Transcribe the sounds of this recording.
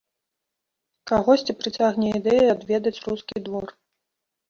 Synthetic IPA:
kaɣɔsʲt͡sʲipɾɨt͡sʲaɣnʲɛid̪ɛjɐad̪vʲɛd̪ɐt͡sʲruskʲid̪vɔr

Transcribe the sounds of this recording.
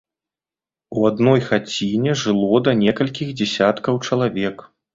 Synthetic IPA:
uad̪nɔjxat͡sʲinʲɛʐɨlˠɔd̪ɐnʲɛkɐlʲkʲixd͡zʲɛsʲat̪kɐwt͡ʂɐlˠavʲɛk

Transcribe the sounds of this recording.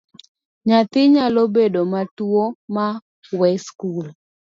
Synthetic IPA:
ɲat̪ɪɲalobedomatwoma | wɛskul

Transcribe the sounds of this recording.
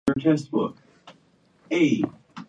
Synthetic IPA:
ə˞tʰɛst̚b̥ʊ̰k̚ | eɪ

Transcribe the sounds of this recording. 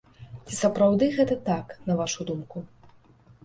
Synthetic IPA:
t͡sʲisɐpɾawd̪ɨɣɛt̪ɐt̪aknɐvaʂud̪umku

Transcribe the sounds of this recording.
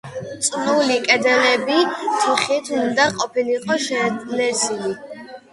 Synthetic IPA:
t̪sʼnulikʼɛd̪ɛnɛbit̪ʰuχit̪ʰund̪aqʼɔpʰiniqʼɔʃɛnɛsili

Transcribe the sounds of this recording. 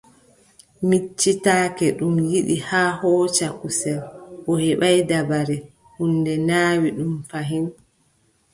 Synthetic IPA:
mit͡ʃːitaːkɛɗumjiɗihaːhɔːt͡ʃakusɛlʔɔhɛɓajdabaɾɛ | hundɛnaːwiɗumfaɦin

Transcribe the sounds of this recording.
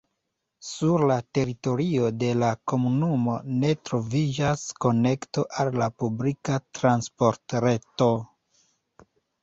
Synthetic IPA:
suɾlate̞ɾito̞ɾio̞de̞lako̞munumo̞ne̞tɾo̞vid͡ʒasko̞ne̞kto̞ʔalːapublikatɾanspo̞ɾtɾe̞to̞

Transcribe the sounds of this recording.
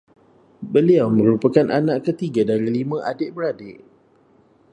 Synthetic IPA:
bəliawmə̃ɾupakanʔanãʔkət̪iɡadaɾilimãʔadɪʔbəɾadɪʔ

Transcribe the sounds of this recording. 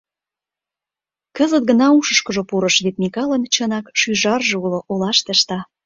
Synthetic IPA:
kə̆zət̪̚ɡə̆nɑuʃə̆ʃkɤ̆ʒŏpuɾɤ̆ʃβet̪̚mikɑlə̆nt͡ɕə̆nɑkʃyʒɑrʒĕuloʔolɑʃt̪əʃt̪ɑ

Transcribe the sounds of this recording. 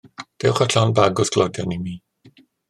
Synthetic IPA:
d̥ɛwχaɬɔnbaɡʊsɡ̥lˠɔdjanimiː

